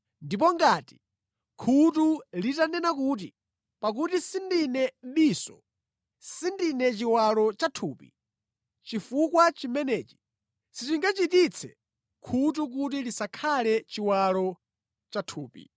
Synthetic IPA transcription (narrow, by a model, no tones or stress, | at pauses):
ndip̬ɔŋɡaːti̥ | kʰutulitanɛnakuːt̬i | pak̬utisindinɛm̩ɓisɔ | sindinɛt͡ʃiwalɔt͡ʃatʰuːpḭ | t͡ʃifukwat͡ʃimɛnɛːt͡ʃi̥ | sitiŋɡat͡ʃitit͡sʰɛ | kʰutuk̬ut̬ilisakʰalɛt͡ʃiwalɔ | t͡ʃatʰuːpḭ